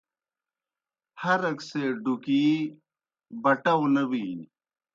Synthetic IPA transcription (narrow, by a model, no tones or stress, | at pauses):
hɐɾɐkseːɖukiː | bɐʈɐwnɐbiː